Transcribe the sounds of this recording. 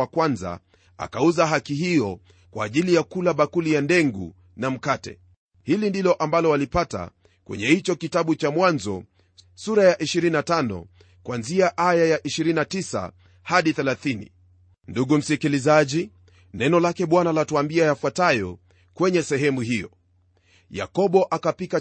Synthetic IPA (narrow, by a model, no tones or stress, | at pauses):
akwanza̰ | a̰kauzaɦakiɦijɔ | kwa̰ːʄilijakulaɓakulijandɛŋɡṵ | nam̩katɛ̰ | hilindilɔʔambalɔwalipata̰ | kwɛ̰ɲɛhit͡ʃɔkitaɓut͡ʃamwanzɔ̰ | suɾajaʔiʃiɾiinatanɔ̰ | kwanziaʔajajaʔiʃiɾinatisa̰ | haɗiθɛlaθinḭ | nduɠum̩sikilizaʄi | nɛnɔlakɛɓwanalatuambiajafwatajɔ | kwɛɲɛsɛɦɛmuhijɔ̰ | ja̰kɔɓɔʔakapika